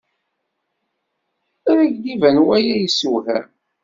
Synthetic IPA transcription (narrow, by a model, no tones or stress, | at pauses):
ɾæɡd̪ivænwæjæjəsuwhæ̰m